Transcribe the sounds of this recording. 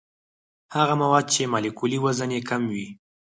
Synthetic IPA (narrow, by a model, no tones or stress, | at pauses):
haɣamawɑd̪̚t͡ʃemalikuliwazanekamwi